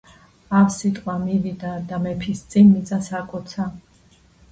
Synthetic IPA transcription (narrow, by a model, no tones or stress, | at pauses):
avsit̪ʼqʼwamivid̪ad̪amɛpʰist̪sʼinmit̪sʼasakʼɔt̪sʰa